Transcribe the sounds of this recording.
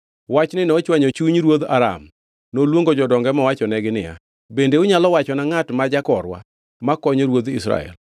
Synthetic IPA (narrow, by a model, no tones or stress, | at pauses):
wat͡ʃnɪnɛːt͡ʃwaɲot͡ʃuɲɾwod̪aɾa̰m | nolwoŋɡod͡ʒɔdɔŋɡɛmɔwat͡ʃɔnɛɡɪnɪja̰ | bendeʊɲalɔwat͡ʃɔnaŋatmad͡ʒakɔɾwa̰ | makɔɲoɾwod̪ḭsɾa̰ɛ̰l